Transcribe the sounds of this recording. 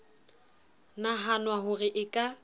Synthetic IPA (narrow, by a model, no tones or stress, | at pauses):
naɦanwaɦʊrɪʔɪkʼa